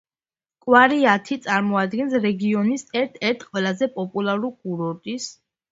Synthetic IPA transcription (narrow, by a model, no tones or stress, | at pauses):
kʼwaɾiat̪ʰit̪sʼaɾmɔad̪ɡɛnsɾɛɡiɔnisɛɾt̪ʰɛɾt̪ʰqʼwɛlˠazɛpʼɔpʼulˠaɾuɡuɾɔɾt̪ʼis